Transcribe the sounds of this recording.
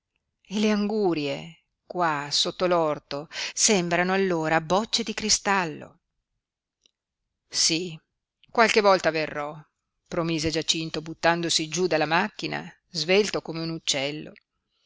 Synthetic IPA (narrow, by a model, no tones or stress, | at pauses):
eleaŋɡuːɾje | kwasot̪ːolɔrt̪osɛmbɾanoalːoːɾabɔt͡ʃːed̪ikɾist̪alːo̰ | si | kwalkevɔlt̪averːɔ | pɾomiːzed͡ʒat͡ʃint̪obut̪ːand̪osid͡ʒud̪alːamakːina̰ | zvelt̪okomeunut͡ʃːɛlːo̰